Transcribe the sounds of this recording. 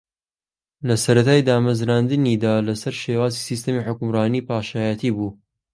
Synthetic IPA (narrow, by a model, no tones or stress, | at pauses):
lɐsɐɾɐt̪aːjd̪aːmɐzɾaːnd̪ɨniːd̪aːlɐsɐɾʃeːwaːzisiːst̪ɐmiːħʊkʊmraːniːpaːʃaːjat̪ʰiːbuː